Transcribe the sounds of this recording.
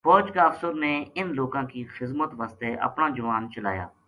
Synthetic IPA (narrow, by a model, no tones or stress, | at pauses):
fɔːt͡ʃkaːfsʊɾneːɪnloːkãːkiːxɪzmət̪ʋaːst̪eːʔə̰pnaːd͡ʒʊʋaːnt͡ʃəla̰ːja̰ː